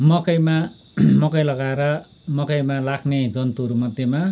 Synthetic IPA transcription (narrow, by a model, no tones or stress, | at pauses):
mʌkʌjma | mʌkʌjlʌɡaeɾʌ | mʌkʌjmalakʰned͡zʌnt̪uɦʌɾumʌd̪ʱjema